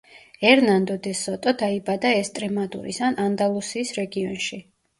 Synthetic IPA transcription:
ɛɾnand̪ɔd̪ɛsɔt̪ʼɔd̪aibad̪aɛst̪ʼɾɛmad̪ṵɾḭsanand̪alˠusiːsɾɛɡiɔnʃi

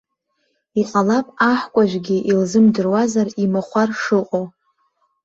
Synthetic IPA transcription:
iqʼalapʼaħkʷʼaʒʷᶣɡʲiʔilzɨmdɨrwazarimaχʷarʂɨqʼow

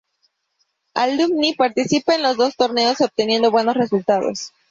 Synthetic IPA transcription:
a̰lumnipaɾt̪isipaenlo̞zðo̞st̪o̞ɾne̞oso̞p̚t̪e̞nje̞nd̪o̞βwe̞no̞sre̞sult̪aðo̰s

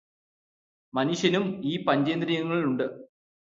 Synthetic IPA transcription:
mɐnuʂjɐnumiːpɐɲd͡ʑeːnd̪ɾijɣɐŋːɐɭiluɳɖɨ

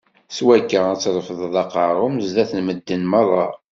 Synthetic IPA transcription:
swækːəæt͡sːɾˤəfəðˤðˤɑqɑʁuməzðæθənməd̪ːənməɾˤːɑ

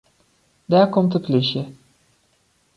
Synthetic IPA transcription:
daːɹkɔmtəplɪʃjə

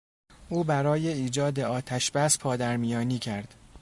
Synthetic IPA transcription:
ʔuːbæɾɒːje̞iːd͡ʒɒːd̪e̞ɒːt̪ʰæʃbæspʰɒːd̪æɾmijɒːniːcʰæɾd̪̥

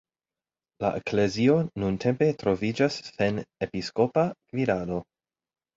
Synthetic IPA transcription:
la̰ʔekle̞zio̞nuntʰe̞mpe̞tɾo̞vid͡ʒasse̞nepisko̞pakviɾado̞

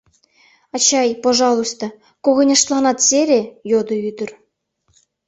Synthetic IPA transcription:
ɑt͡ɕɑjpoʐɑlˠusʲt̪ɑ̆ | koɣɤ̆nʲɤ̆ʂt̪lˠɑnɑt̪sʲeɾʲejod̪ɤ̆yd̪ʲɘ̆rʲ

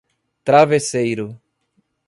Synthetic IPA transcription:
t̪ɾavesejɾʊ

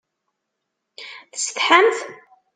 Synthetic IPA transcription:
θəsθħəmθ

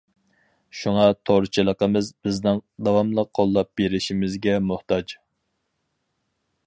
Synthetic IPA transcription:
ʃuŋɑt̪ʰoɾt͡ʃʰilˠəqəmɨzbɪznɪŋd̪ɑwɑmlˠəqʰːolˠːɑp̚beɾɪʃimɪzɡʲɛmʊht̪ɑd͡ʒ

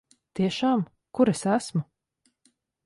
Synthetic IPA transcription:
t̪iɛʃaːm | kuɾesæsmu

